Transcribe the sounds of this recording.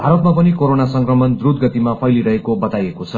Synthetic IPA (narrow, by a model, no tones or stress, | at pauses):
bʱaɾʌt̪mapʌnikoɾonasʌŋkrʌmʌnd̪rud̪̚ɡʌt̪imapʰʌjliɾʌɦekobʌt̪ajekot͡sʰʌ